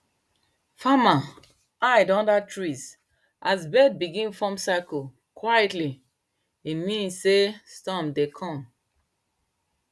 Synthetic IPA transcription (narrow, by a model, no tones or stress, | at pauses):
fama | adɔ̃ndatʰɹis | ʔazbɛd̚biɡĩnfɔ̃msako | kwajɛtli | imĩnsːestɔ̃mdekʰɔ̃m